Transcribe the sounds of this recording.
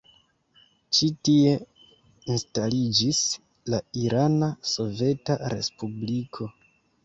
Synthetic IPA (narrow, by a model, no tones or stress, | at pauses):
t͡ʃitie̞ | instalid͡ʒis | laiɾanaso̞ve̞taɾe̞̰spublikʰo̞